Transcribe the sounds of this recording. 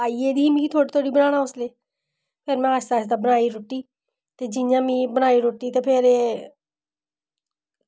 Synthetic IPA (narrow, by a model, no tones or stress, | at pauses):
aːiːed̪iːɦimikiːt̪ʰoːɽit̪ʰoːɽiːbənaːnaːʊsleː | pʰɪɾmɛ̃aːsaːɪs̬d̪aːbənaːiːɾoːʈiː | t̪eːd͡ʒɪjãːmĩːbəñaːiːɾoːʈiːt̪eːpʰɪɾ